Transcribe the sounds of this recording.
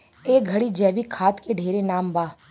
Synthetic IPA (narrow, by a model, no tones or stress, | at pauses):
eːɡʱɐɽid͡ʒɛːbikʰaːt̪keɖʱeːɾenaːmbaː